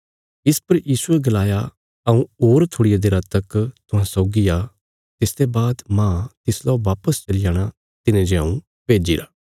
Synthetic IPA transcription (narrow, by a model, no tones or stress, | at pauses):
ɪspɐɾjiːsueɡɐlaːja | ɐũoːɾt̪ʰoːɽijad̪eɾat̪ːɐkt̪ʊɦãsɔːɡija | t̪ɪst̪ebaːd̪mãt̪ɪslaoʋaːpəst͡ʃɐlɪjaːɽ̃a | t̪ɪnẽd͡ʒeãːũ | peːd͡ʒiːɾa̰ː